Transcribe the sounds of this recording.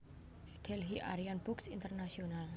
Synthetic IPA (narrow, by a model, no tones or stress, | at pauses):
d̥ɛlɦiʔa̰ɾianbʊksint̪ərnasional